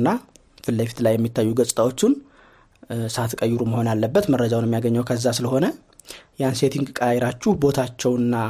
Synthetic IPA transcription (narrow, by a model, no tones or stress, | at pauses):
nːa | fɨlːəfi̥t̪lajːɛmːit̪ʰːajːuɡəsʼt̪ʼawo̞t͡ʃːɪn | sat̪kʼəjːɪɾuməho̞njalːəbːət̪məɾːəd͡ʒawnjɛmijaɡəɲːəwkʰəzːasɨləho̞nə | janse̞t̪ʰiŋɡkʼaajɛɾat͡ʃːuhbo̞t̪ʰat͡ʃːɛwɨnːa